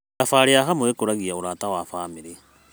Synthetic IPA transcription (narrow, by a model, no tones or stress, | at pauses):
afaɾeaɦamoekoɾaɣiaoɾaːtawafaːmeɾe